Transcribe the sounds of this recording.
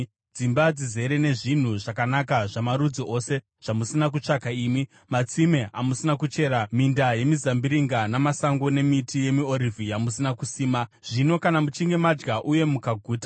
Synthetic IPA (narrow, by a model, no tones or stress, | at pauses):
d͡zimbad͡zize̞ɾe̞ne̞ʐin̤uʐakanak̬aʐamaɾud͡ziʔo̞se̞ | ʐ̥amusinak̬ut͡ʂakaiːmi | mat͡simeʔamusinak̬ut͡ʃe̞ɾamindaje̞mizambiɾiŋɡanamasaŋɡone̞mitʰije̞mio̞ɾivʱijamusinakusiːmaʐ̥ino̞kanamut͡ʃiŋɡe̞mad͡ʒɡaʔuje̞mukaɡʱuːta